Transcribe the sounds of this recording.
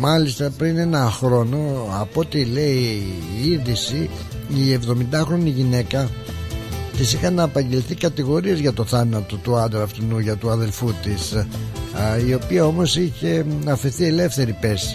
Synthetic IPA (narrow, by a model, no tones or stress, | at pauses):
mɐlist̪ɐpɾine̞nɐxɾo̞no̞ɐpo̞t̪ile̞iiɾðisiː | e̞vðo̞mind̪ɐxɾo̞niʝine̞kɐ | t̪isixɐnɐːpɐɲɟe̞lθikɐt̪iɣo̞ɾiezʝɐt̪o̞θɐnɐt̪o̞t̪uɐd̪eɐft̪inuʝɐt̪uɐðe̞lfut̪is | io̞piɐo̞mo̞siçe̞ɐfeɾθie̞le̞fθe̞ɾipe̞si̥